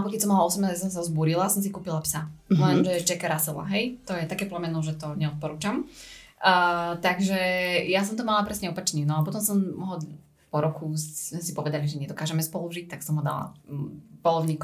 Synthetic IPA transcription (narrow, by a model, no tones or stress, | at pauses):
pɔkɛcʲsɔmːalaɔsɛmnazasɔms̬azbuːɾilasɔmsikuːpilapsalɛnʒɛt͡ʃɛkaɾasɛla̰ɦɛjt̪ɔjɛt̪akɛːplɛmɛnɔʒɛt̪ɔɲɛɔt̪̚pɔɾuːt͡ʃam | ət̪aɡʒɛjas̬ɔmt̪ɔmalapɾɛsɲɛɔpat͡ʃɲinɔapɔt̪ɔmsɔmɦɔ | pɔɾɔkumɛsipɔʋɛd̪aliʒɛɲɛd̪ɔkaːʒɛmɛspɔluʒic̚t̪aksɔmɦɔd̪a̰la̰pɔlˠɔʊɲiːk